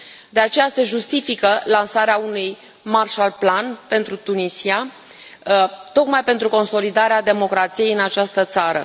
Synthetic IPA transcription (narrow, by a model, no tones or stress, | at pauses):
d̪e̞at͡ʃe̞jase̞ʒust̪ifikəlansaɾeaunuj | marʃalplanpe̞nt̪ɾut̪unisia | t̪o̞kmajpe̞nt̪ɾuko̞nso̞lid̪aɾead̪e̞mo̞kɾat̪sije̞jɨnat͡ʃast̪ət̪saɾə̰